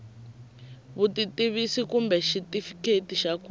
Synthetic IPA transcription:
βutitiβisikumbɛʃitifi̥ketiʃaku

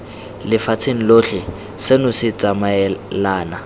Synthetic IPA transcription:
lɪfat͡sʰeŋ̩loːɬɪ | sɪnʊsɪt͡sʼamaɛlaːna

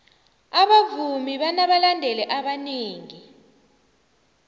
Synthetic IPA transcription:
aɓavumiɓanaɓalandʱɛlɛʔaɓaniːŋi

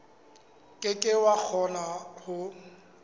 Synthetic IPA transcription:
kʼɪkʼɪwak͡xʰɔnahʊ

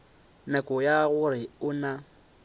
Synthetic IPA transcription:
nɛkʼʊjaɣʊɾɪʊna

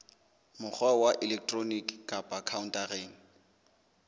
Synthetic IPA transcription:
mʊk͡xawaʔɪlɛk̚ʰtʼronikkapʼakʰauntʼareːŋ̩

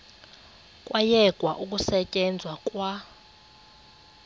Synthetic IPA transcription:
kʼwajɛɡ̥ʱwaʔukʼusɛcʼɛnd͡zʱwakʼwa

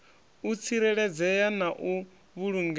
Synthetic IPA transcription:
ut͡sʰiɾɛɺɛd͡zɛjanaʔu | βuɺuŋɡ

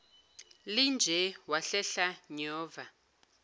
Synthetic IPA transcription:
lind͡ʒʱɛwaɬɛɬaɲɔːva

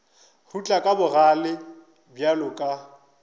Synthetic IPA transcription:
hut͡ɬʼakʼabʊɣalɪ | bjalʊkʼa

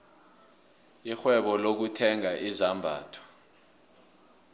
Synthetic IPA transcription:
ixwɛɓɔlok̬utʰɛŋaʔizambʱa̰ːtʰɔ̥

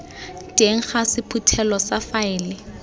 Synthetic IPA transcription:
tʼeŋ̩χasɪpʰutʰɛlɔsafaɪːlɪ

